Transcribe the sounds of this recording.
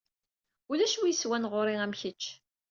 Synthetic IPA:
ulæʃwijəswænʁoɾˤiæmçət͡ʃː

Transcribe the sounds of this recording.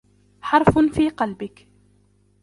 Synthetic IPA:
ħɑɾˤffiːqɑlbɪk

